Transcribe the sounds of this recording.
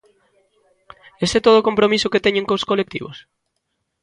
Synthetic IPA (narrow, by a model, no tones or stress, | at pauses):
eset̪oð̞okompɾomisʊket̪ɛɲeŋkoskolek̚t̪ḭβ̞o̰s